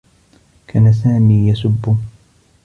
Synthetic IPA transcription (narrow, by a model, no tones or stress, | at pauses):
kʰaːnas̬aːmiːjasʊbːʊ